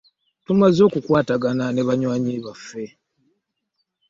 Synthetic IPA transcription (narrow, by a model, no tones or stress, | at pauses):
tumazo̞ːkukwaːtaɡanane̞βaɲwaːɲiβafːe̞